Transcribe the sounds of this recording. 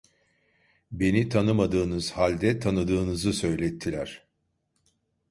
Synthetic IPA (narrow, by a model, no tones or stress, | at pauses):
be̞nit̪ʰanɯmad̪ɯːnɯz̥halʲd̪ɛt̪ʰanɯd̪ɯːnɯzɯsø̞jlʲɛt̪ʰːilʲæɾ̥